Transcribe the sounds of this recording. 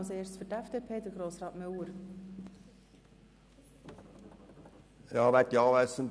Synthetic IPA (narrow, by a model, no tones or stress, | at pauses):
lseːɾst͡sfʏɾtɛfd̥̪eːpʰeːd̪əɡ̥ɾoːsɾɑːt̪mœwəɾ | jæhɑʋæt̪jɑːʋæsən